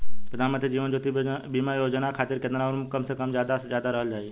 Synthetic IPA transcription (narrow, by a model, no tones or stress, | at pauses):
pɾɐd̪ʱaːnmə̃nt̪ɾid͡ʒiːʋənd͡ʒoːt̪ibiːmajoːd͡ʒnakʰaːt̪ɪɾkeːnɾaɾmkɐmsekəmzjaːd̪aezjaːd̪aɾɐɦəld͡ʒaːie